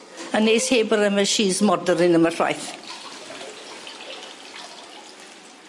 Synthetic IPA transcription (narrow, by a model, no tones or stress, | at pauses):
ənejsheːbəɾəməʃiːzmɔdəɾɪnəmər̥a̰jθ